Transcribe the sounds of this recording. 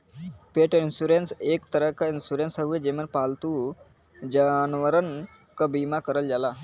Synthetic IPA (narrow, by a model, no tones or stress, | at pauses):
peʈinsuɾensekt̪əɾəkainsuɾensəʋed͡ʑemənpalt̪u | d͡ʑanʋəɾən | kəbimakəɾəld͡ʑala